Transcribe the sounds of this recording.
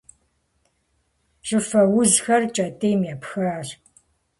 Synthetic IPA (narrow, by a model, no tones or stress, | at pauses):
ʒ̥ɨfɐwʊzxɐrt͡ʃʼɐtʼeːmjɛpxaːr